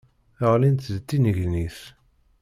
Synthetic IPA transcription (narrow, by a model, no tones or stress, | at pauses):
əʁlint̪ðət̪ːinəʝniθ